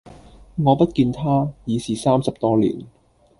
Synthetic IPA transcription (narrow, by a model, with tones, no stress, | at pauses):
ŋɔː˨˧pɐ˥t̚kiː˧nt̪ʰaː˥jiː˨˧siː˨saː˥msɐ˨p̚t̪ɔː˥lḭː˨˩n